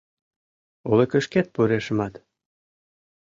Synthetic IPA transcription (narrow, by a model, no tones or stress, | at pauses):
olekə̆ʃket̪̚puɾeʃə̆mɑt̪